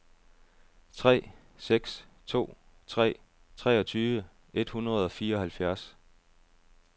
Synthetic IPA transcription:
t͡sʰʁɛ̰ː | seɡ̥st͡sʰo̝̰ː | t͡sʰʁɛ̰ː | t͡sʰʁɛːɒ̽t͡sʰyːʋə | e̝d̥hunɐð̞̩ˠɒ̽fiːɐɒ̽hælfjæɐs

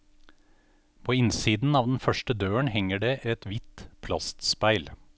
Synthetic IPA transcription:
pʰoːɪnsiːd̪n̩ɑːʋd̪n̩fœʃʈəd̪øːəɳhɛŋəɖeːʔɛt̪ʋɪt̪pʰlɑ̰st̪spæɪl

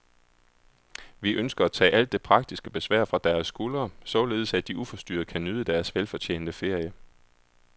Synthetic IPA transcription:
ʋiʔønsɡ̥ɐæt͡sʰɛ̰ːʔæl̰d̥ːe̝pʰʁɑ̈ɡ̥̚d̥isɡ̥əb̥e̝sʋæ̰ɐ̰fʁɑ̈d̥æɐsːɡ̥ulɐsɒ̽le̝ːð̞̩ˠsæd̥iʔufɒ̽sd̥y̰ːɐkʰænyð̞ˠəd̥æɐsʋelfɒ̽t͡ɕʰḛːnd̥əfe̝ɐ̰jə

